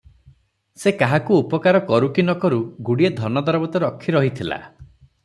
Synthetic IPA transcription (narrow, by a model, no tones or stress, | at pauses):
sekaɦakuːpɔkaɾɔkɔɾukinɔkɔɾuɡuɽied̪ʱɔnɔd̪ɔɾɔbɔt̪ɔɾɔkʰːiɾɔɦit̪ʰila̰